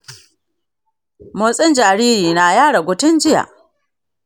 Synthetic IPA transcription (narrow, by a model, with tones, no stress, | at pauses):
moː˨sʼɪ˦nd͡ʒaː˨ɾiː˦ɾiː˨naː˨jaː˦ɽɐ˨ɡʷʊ˨tʊ˦nd͡ʒɪ˦ja̰˨ʔ